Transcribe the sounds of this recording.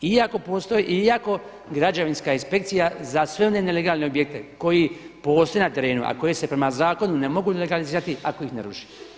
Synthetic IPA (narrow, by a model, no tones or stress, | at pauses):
iako̞po̞ːst̪o̞jiʔiako̞ | ɡɾad͡ʒaʋinskaːinspe̞kt̪sijazasʋe̞o̞neneleɡaːlneobjek̚t̪e̞ko̞jipo̞ːst̪o̞jenat̪e̞ɾe̞ːnṵʔa̰ko̞jese̞pɾe̞mazaːko̞nunemo̞ɡuleɡaliziːɾat̪iako̞ixneɾuʃi̥